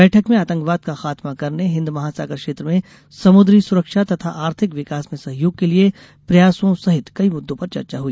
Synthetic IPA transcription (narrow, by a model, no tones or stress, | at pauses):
bɛːʈʰəkmẽaːt̪ə̃ŋkʋaːd̪̚kaxaːt̪makɐɾneɦɪ̃nd̪mɐɦaːsa̰ːkəkʃeːt̪ɾəmẽ | sɐmʊd̪ɾisʊɾəkʃat̪ɐt̪ʰaʔaːɾt̪ʰɪkʋɪkaːsmẽsɐɦjoːɡ̚kelie | pɾɐjaːsõsɐɦɪt̪kɐimʊd̪ːõpɐɾt͡ʃɐ̰ɾt͡ʃaɦuiː